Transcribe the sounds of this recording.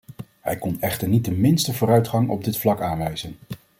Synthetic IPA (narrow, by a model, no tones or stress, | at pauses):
hɛjkɔnɛχtəɹnit̚dəmɪnstəvʊːɾœɥtχɑŋɔ̰b̚dɪtflɑkaːnʋɛjz̥ən